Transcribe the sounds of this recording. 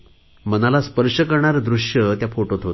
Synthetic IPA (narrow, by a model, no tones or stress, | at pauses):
m̤ənalaspəɾʂəkəɾɳaɾd̪ɾuʂjət̪jafoʈot̪ɦot̪